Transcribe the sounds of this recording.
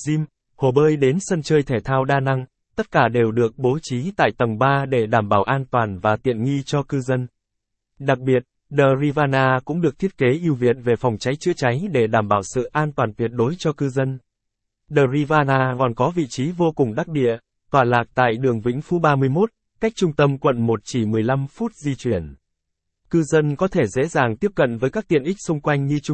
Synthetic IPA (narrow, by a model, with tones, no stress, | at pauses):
zi˧m | ho˨˩ɓəː˧jɗe˨˦nsə˧nt͡ɕəː˧jt̪ʰe˧˩t̪ʰaː˧wɗaː˧na˧ŋ | t̪ə˦˥t̚kaː˧˩ɗe˨˩wɗɨ˨˩ək̚ɓo˨˦t͡ɕi˨˦t̪a̰ː˧˨jt̪ə˨˩ŋ͡mɓaː˧ɗe˧˩ɗaː˧˩mɓaː˧˩wʔaː˧nt̪waː˨˩nvaː˨˩t̪ḭ˧˨ənŋi˧t͡ɕɔ˧kɨ˧zə˧n | ɗa˨˩k̚ɓi˨˩ət̚ | ɗəː˨˩zi˧vaː˧naː˧kʊ̰˧˥ŋ͡mɗɨ˨˩ək̚t̪ʰi˦˥ət̚ke˨˦ʔi˧əwvḭ˧˨ənve˨˩fa˨˩wŋ͡mt͡ɕa˨˦jt͡ɕɨ̰˧˥t͡ɕa˨˦jɗe˧˩ɗaː˧˩mɓaː˧˩wsɨ̰˧˨ʔaː˧nt̪waː˨˩nt̪wi˨˩ət̚ɗo˨˦jt͡ɕɔ˧kɨ˧zə˧n | ɗəː˨˩zi˧vaː˧naː˧kɔ˨˩nkɔ˨˦vḭ˧˨t͡ɕi˨˦vo˧kʊ˨˩ŋ͡mɗa˦˥k̚ɗḭ˧˨ə | t̪waː˧˩laː˨˩k̚t̪a̰ː˧˨jɗɨ˨˩əŋvḭ˧˥ŋ̟fu˨˦ɓaː˧mɨ˧əjmo˦˥t̚ | ka˦˥jk̟̚t͡ɕʊ˧ŋ͡mt̪ə˧mkwə̰˧˨nmo˨˩t̚t͡ɕi˧˩mɨ˨˩əjla˧mfu˦˥t̚zi˧t͡ɕwi˨˩ən | kɨ˧zə˧nkɔ˨˦t̪ʰe˧˩zḛ˧˥zaː˨˩ŋt̪i˦˥əp̚kə̰˧˨nvəː˨˦jkaː˦˥k̚t̪ḭ˧˨ənʔi˦˥k̟̚sʊ˧ŋ͡mkwa˧jŋ̟ɲɨ˧t͡ɕʊ˧